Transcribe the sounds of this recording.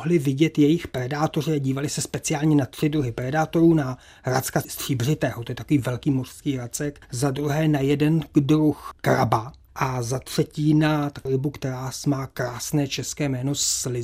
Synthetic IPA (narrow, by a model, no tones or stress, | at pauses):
ɦlɪvɪɟɛt̪jɛjɪxpɾɛdaːt̪o̞rɪaɟiːvalɪsɛspɛt͡sɪaːlɲɛnat̪r̝̥ɪdɾuɦɪpɾɛdaːt̪o̞ɾuːna | ɾa̰t͡skast̪r̝̥iːbr̝ɪt̪ɛːɦot̪ojɛt̪akoviːvɛlkiːmor̥skiːɾat͡sɛkzad̪ɾuɦɛːnajɛdɛndɾuxkɾa̰ba | ʔazat̪r̥ɛciːnat̪alɪbukt̪ɛɾaːsmaːkɾaːsnɛːt͡ʃɛskɛːmɛːno̞slɪ